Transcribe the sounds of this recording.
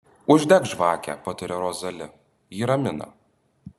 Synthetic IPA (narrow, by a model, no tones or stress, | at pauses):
ʊʒʲd̪ʲɛkʒʋɑːkʲɛ̰pɐt̪ʲɪɾʲɛɾoːzɐlʲɪ | jiːɾɐmʲɪnɐ̰